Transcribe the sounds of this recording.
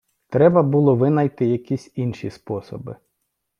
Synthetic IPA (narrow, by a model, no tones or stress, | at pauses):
t̪ɾɛbɐbulˠɔʋɪnɐjt̪ɪjɐkʲisʲinʃispɔsɔ̰bɪ̰